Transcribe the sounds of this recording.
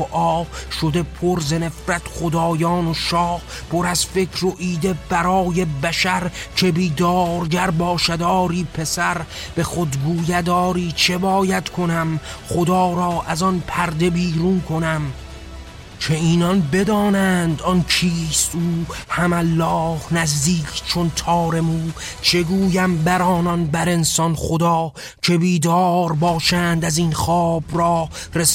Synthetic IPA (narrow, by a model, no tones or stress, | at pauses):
oʔɒːʃod̪e̞pʰoɾzene̞fɾæt̪ʰχod̪ɒːjɒːnoʃɒːh | pʰo̞ɾæzfe̞kʰɾoʔiːd̪e̞bæɾɒːje̞bæʃæɾt͡ʃʰe̞biːd̪ɒːɾɟæɾbɒːʃad̪ɒːɾiːpʰe̞sæɾ | b̥e̞xod̪ɡuːjæd̪ɒːɾiːt͡ʃʰe̞bɒːjæt̪kʰonæmχod̪ɒːɾɒːʔæzɒnpʰæɾd̪e̞biːɾunkʰo̞næm | t͡ʃʰe̞iːnɒnbe̞d̪ɒːnænd̪ɒnkʰiːst̪uːhæmælːɒːhnæzd̪iːkʰt͡ʃʰont̪ʰɒːɾe̞muː | t͡ʃʰe̞ɡuːjæmbæɾɒːnɒnbæɾe̞nsɒnχod̪ɒː | t͡ʃʰe̞biːd̪ɒːɾbɒːʃænd̪æzinχɒːb̥ɾɒːɾes